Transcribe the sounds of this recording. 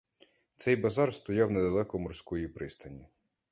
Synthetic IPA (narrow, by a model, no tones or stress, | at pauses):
t̪sɛjbɐzɑrst̪ɔjɑwnɛd̪ɐlˠɛkɔmɔrsʲkɔjipɾɪst̪ɐnʲi